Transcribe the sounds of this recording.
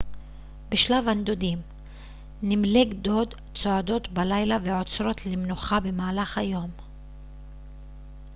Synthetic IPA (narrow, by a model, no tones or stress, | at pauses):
beʃlavand̪od̪im | nimleɡd̪o̞d̪ | t͡soad̪o̞t̪balajlaveʕo̞t͡sɾo̞t̪ʰlemnuχabe̞maːlaχhajo̞m